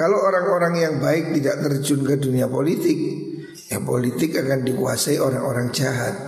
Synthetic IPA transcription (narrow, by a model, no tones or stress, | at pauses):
kalooɾaŋoɾaŋjaŋbaɪk̚t̪idaʔt̪ərd͡ʒʊnkəduniapolit̪ɪk̚ | japolit̪ɪkakandikuasaiʔoɾaŋoɾaŋd͡ʒaɦat̪̚